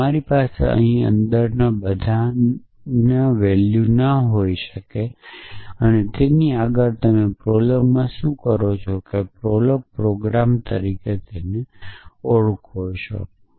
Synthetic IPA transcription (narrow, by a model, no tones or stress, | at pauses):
aɾipasḛə̰ɦĩə̰nd̪əɾnabəd̪ʱa | naʋɛljunəɦoiʃəke | ənet̪eniaɡəɾt̪əmepɾoləmmãʃũkəɾot͡ʃʰokepɾolək̚pɾoɡɾamt̪əɾiket̪eneoɭkʰot͡ʃʰo̰